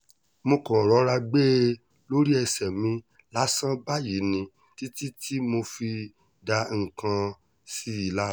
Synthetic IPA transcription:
mõ˧kɔ̃˨ɾɔ˨˦ɾa˧ɡ͡be˦ | lo˦ɾi˦ɛ˧sɛ˨mĩ˧ | la˦sã˦ba˦ji˨˦nĩ˧ | ti˦ti˦tʰi˦mo˧fi˧ | da˧ŋ̩˨kã˧ | si˦i˨la˦

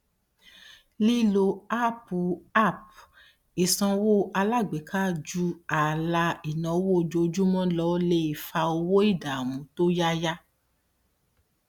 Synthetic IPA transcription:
li˦lo˧a˦pu˧a˦˨p̚ | i˨sã˧wo˦ʔa˧la˦˨ɡ͡be˨˦kʰa˦˨d͡ʒu˦a˨la˧i˨nɔ̃˨˦wo˦˨d͡ʒo˧d͡ʒu˦mɔ̃˦lɔ˦le˧˦i˨fa˧o˧wo˦i˦˨da˨wũ˨˦to˦ja˦ja˦

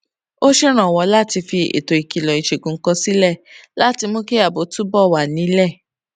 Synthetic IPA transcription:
o˦ʃe˦ɾ̃ã˨wɔ˧˦la˦˨ti˧fi˧ḛ˨to˨i˨ki˨lɔ˨i˨ʃe˨ɡũ˨ŋ̩˦kɔ˧si˦lɛ˦˨la˦ti˧mo˧ke˦a˦˨bo˨˦tu˦bɔ˦˨wa˨nĩ˨˦lɛ˦˨

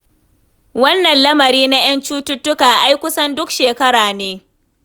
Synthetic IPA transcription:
wɐ˦nːɐ˨nlɐ˦mɐ˨ɾiː˦na˦j̰ɐ˦nt͡ʃuː˦tʊ˦tːʊ˦kaː˨ʔa˦jkʷʊ˦sɐ˦ndʊ˦kʃeː˨kɐ˦ɽaː˨neː˦

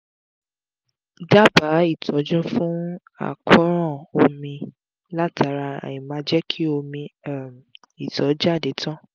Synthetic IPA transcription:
da˦ba˨˦i˦˨tʰɔ˨˦d͡ʒɔ̃˦fũ˦ | a̰˦˨kʰɔ̃˦ɾɔ̃˦˨o˧mĩ˧ | la˦tʰa˨˦ɾa˧a̰˨jĩ˨mã˧d͡ʒɛ˦kʰi˦o˧mĩ˧˨m | i˨tɔ˨˦d͡ʒa˦˨de˨˦tʰɔ̃˦˨

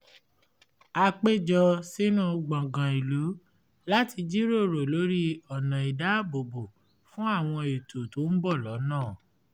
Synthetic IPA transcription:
a˧k͡pe˦d͡ʒɔ˧si˦nũ˦˧ɡ͡bã˨ɡã˨i˨lu˨˦ | la˦ti˧d͡ʒi˦ɾo˦˨ɾo˨lo˨˦ɾi˦ɔ˨nã˨i˨da˨˦bo˨bo˨ | fũ˦a˦˨w̃ɔ̃˧e˨to˨to˨˦n̩˦bɔ˦˨lɔ˨˦nãː˦˨

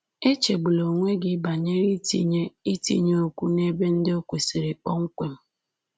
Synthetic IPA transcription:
e˦t͡ʃe˨ɡ͡bu˨lo˨ŋʷe˦ɡɪ˦ba˨ɲe˦ɾi˦tḭ˦ɲe˦i˦tḭ˦ɲe˦o˦kʷu˦ne˦be˦n̩˦dɪ˦o˦kʷe˨se˨ɾe˨k͡pɔ˦ŋ̩˦kʷe˨m̩˦

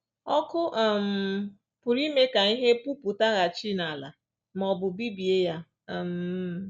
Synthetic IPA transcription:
ɔ˦kʊ˦ʔm̩˨ | pʊ˨ɾi˦me˦ka˨i˦ɦe˦pu˦pu˨ta˦ɣa˨t͡ʃi˦na˨la̰˨ | m˨ɔ˨bʊ˨bi˦bi˨e˦ja˦˨ | m̩˨˦˨

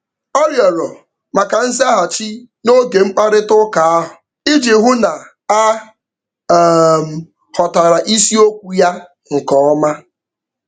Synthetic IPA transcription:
ɔ˦ɾjɔ˨ɾɔ˨ | ma˨ka˨n̩˦za˦ɦa˨t͡ʃi˦ | no˦ɡe˨ŋ͡m̩˦k͡pa˦ɾɪ˦tʊ˦ka˨a˦ɦʊ˨ | i˦d͡ʒi˨ɦʊ˦na˨ | a˦˨ | m̩˨ | hɔ˨ta˨ɾa˨ʔi˦si˦o˦kʷu˦ja˦ | ŋ̩˨kɔ˦ɔ˦ma˦

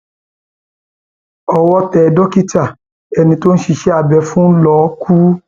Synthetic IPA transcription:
ɔ˧wɔ˧tɛ˨˧dɔ˦ki˦ta˦˨ | ɛ˧nĩ˧to˦ñ̩˦ʃi˧ʃɛ˦a˨bɛ˧fũ˦lɔ˦ku˦

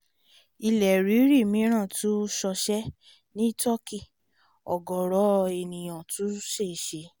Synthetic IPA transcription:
i˧lɛ˨ɾi˨˦ɾi˦˨mĩ˨˦ɾ̃ã˦˨tu˦ʃɔ˧ʃɛ˦ | nĩ˦tɔ˦ki˦˨ | ɔ̰˨ɡɔ˨ɾɔ˨˦˧e˨nĩ˨j̃ã˨tu˨˦ʃe˦˨ʃe˧˦

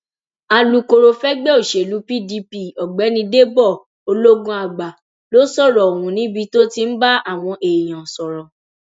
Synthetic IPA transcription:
a˧lu˧ko˧ɾo˧fɛ˦ɡ͡bɛ˦o˦˨ʃe˨lu˨˦pi˦˨di˧pi˧ɔ˨ɡ͡bɛ˨˦nĩ˧de˦bɔ˦˨ | o˧lo˦ɡũ˦a˧ɡ͡ba˨ | lo˨˦sɔ˦˨ɾɔ˨o˨wũ˨˦nĩ˦bi˧to˦ti˧n̩˦ba˦a˦˨w̃ɔ̃˧ʔe˨j̃ã˨sɔ˨ɾɔ˨

